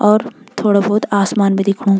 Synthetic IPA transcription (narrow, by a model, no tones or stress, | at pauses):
ɔːɾt̪ʰoːɽabɔːʊt̪aːsmaːnbẽd̪ɪkʰũː